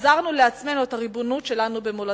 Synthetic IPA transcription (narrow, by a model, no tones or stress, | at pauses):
zaʁnuleat͡sme̞nuetaʁibonutʃe̞lanube̞mola